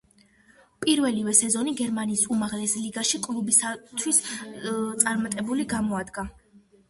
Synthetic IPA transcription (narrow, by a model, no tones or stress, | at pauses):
pʼiɾvɛlivɛsɛzɔniɡɛɾmaniːsumaʁlɛsliɡaʃikʼlˠubisat̪ʰwis | t̪sʼaɾmat̪ʼɛbuliɡamɔad̪ɡa